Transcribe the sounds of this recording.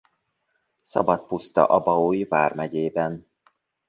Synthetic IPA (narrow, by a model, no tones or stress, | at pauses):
sɒ̰bɒt̪̚pust̪ɒ̰ʔɒbɒoːjvaːrmɛɟeːbɛn